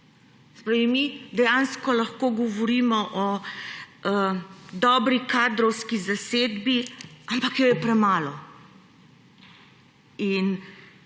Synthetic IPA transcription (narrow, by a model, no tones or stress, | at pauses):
sɛ̥pɾaːʋimid̪ɛjanskɔlɐxkoɡɔʋɔɾimɔʔɔ | d̪ɔːbɾikaːd̪ɾɔwskizaseːd̪biampakjɔjɛpɾɛmaːlɔ | in